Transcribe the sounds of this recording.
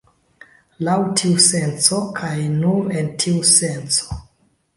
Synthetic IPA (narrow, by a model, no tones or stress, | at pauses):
lawtʰiusensokʰajnunentʰiusenso̥